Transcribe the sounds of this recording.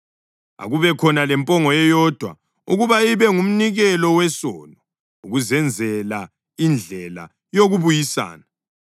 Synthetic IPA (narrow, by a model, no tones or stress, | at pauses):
a̰ɣuβɛkʰɔnalɛmpʼɔŋɔɛjɔd̥ʱwa̰ | uɣuβaiβɛŋum̩niɣɛlɔwɛsɔːnɔ | uɣuzɛnd͡zʱɛla | ind͡ɮʱɛla̰ | joɣuβujisa̰ːna